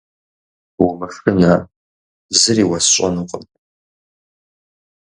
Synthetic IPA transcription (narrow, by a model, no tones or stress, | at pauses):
wʊmɨfrɨnaː | zɨriːwɐsɕʷʼɐnɨqʼəm